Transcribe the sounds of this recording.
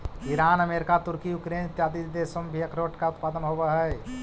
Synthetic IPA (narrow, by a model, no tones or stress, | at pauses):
ɪɾaːnəmeːɾɪkat̪ʊɾkijʊkɾeːnt̪jaːd̪isd̪eːsəmbʱiɐkɾoːʈkaʊt̪̚paːd̪ənɦoːbaɦɛː